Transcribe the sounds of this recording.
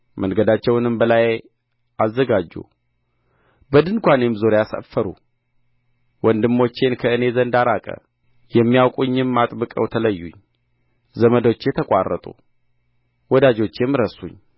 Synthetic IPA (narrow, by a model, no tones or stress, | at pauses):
mʔənɡəd̪at͡ʃːɛwnɨmbəlaj | azːəɡad͡ʒːṵ | bəd̪ɨŋkʷanemzoɾjasə̰fːəɾṵ | wɔnd̪ɨmːo̞t͡ʃːe̞nkʰəɨne̞zənd̪aɾakʼə̰ | jɛmːijawkʼuɲːɨmːat̪ʼbɨkʼə̰wt̪ʰələjːṵɲː | zəməd̪o̞t͡ʃːjɛt̪ʰəkʼa̰rːə̰t̪ʼṵ | wɔd̪ad͡ʒo̞t͡ʃːjɛmːɾəsṵɲː